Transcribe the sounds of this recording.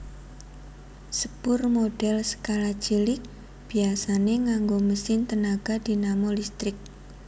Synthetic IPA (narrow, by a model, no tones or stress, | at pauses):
səb̥ʊrmoɖ̥ɛlsə̥kalḁd͡ʒilɪk̚ | b̥iasaneŋaŋɡoməsɪnt̪ənaɡ̥a̤d̪̥inamolist̪ɾɪk̚